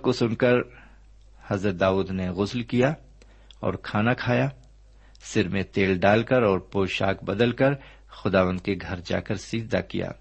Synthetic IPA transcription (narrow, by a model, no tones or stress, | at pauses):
kosʊnkəɾ | hɐzɾət̪̚d̪aːuːd̪neɣʊslkija | ɔ̰ːɾkʰaːnakʰaːjaː | sɪɾmẽt̪eːlɖaːlkɐɾɔːɾpoːʃa̰ːkbɐd̪əlkəɾ | xʊd̪aːʋə̃nd̪̚keɡʱɐɾd͡ʒa̰ːkəɾsiːd̪d̪a̰kḭja̰ː